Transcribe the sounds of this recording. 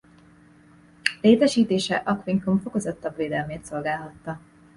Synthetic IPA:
leːt̪ɛʃiːt̪eːʃɛʔɒkʋiŋkoɱfo̞ko̞zɒt̪ːɒbʋeːd̪ɛlmeːt̪so̞lɡaːlɦɒt̪ːɒ

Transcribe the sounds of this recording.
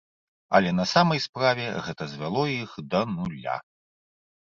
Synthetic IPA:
ɐ̰lʲɛnɐsamɐjspɾavʲɛɣɛt̪ɐzʲvʲalˠɔjixd̪ɐnulʲa̰

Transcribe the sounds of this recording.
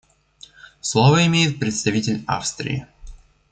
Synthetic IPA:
slˠovəɪmʲejɪt̪̚pɾʲɪt̪st̪ɐvʲitʲɪlʲa̰fst̪ɾʲɪ̰ɪ̰

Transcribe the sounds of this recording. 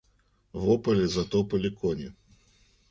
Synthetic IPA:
vɔpɐlʲɛzat̪ɔpɐlʲikɔnʲi

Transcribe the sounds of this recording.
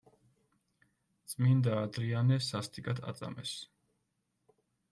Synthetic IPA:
t̪sʼmind̪aːd̪ɾianɛsast̪ʼikʼat̪ʰa̰t̪sʼa̰mɛ̰s

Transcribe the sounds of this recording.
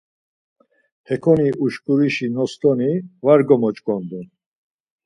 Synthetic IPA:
hɛkʰɔniʔuʃkʼuɾiʃinɔst̪ʼɔnivaɾɡɔmɔt͡ʃʼkʼɔnd̪un

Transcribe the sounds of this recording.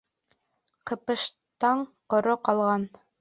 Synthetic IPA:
qɤ̆pɤ̆ʃ | t̪ɑɴqŏɾoqɑlˠʁɑn

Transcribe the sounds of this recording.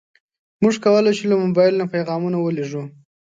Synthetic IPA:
muʐkawəlat͡ʃelamobɑjɪlnapajɣɑmunawəleʐu

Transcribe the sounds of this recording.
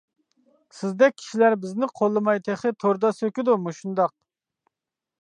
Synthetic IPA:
sɪzd̪ɛk̚ʲʰi̥ʃilæɾbɪznɪqʰolˠːɨmɑjt̪ʰeχɪt̪ʰoɾd̪ɑsøkʲid̪umuʃund̪ɑq̚

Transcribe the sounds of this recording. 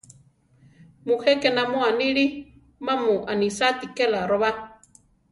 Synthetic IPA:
muhɛkenamoaniɺi | mamũʔanisat̪ikelaɾoβa

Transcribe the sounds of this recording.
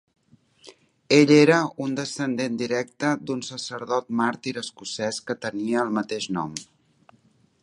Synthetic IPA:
eʎeɾəund̪əsənd̪end̪iɾɛk̚t̪əd̪unsəsəɾðɔt̪̚maɾt̪iɾəskusɛskət̪əniəːlˠmət̪eʃnɔ̰m

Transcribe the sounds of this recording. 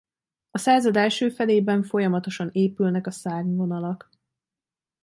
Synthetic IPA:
ɒsaːzɒd̪ɛlʃøːfɛleːbɛɱfo̞jɒmɒt̪o̞ʃɒneːpylnɛkɒsaːɡvo̞nɒlɒk

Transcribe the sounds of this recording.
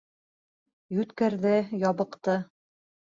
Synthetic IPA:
jʉt̪kæɾðɘjɑβɤ̆qt̪ɤ

